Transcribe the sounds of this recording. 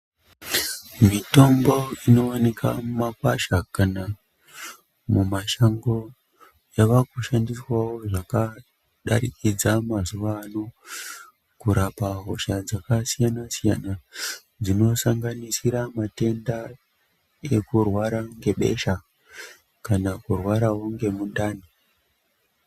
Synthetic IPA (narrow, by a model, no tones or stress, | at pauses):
mito̞mbo̞ino̞ːne̞kʰa̰mmakaʃakana | mumaʃaŋɡo̞ | jaʋakuʃandiswawo̞ʐaka | ɗa̰ɾikid͡zamazuʋaːno̞ | kuɾapaɦo̞ʃad͡zakasijanasija̰na | d͡zino̞saŋɡanisiɾamate̞nda | e̞kurwaɾaŋɡe̞ɓe̞̰ʃa | kanakurwaɾaɦoŋɡe̞muɗaːni